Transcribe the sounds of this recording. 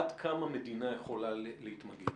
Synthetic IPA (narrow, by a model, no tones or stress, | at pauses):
d̪kʰamame̞d̪inajeχo̞lalehit̪maɡi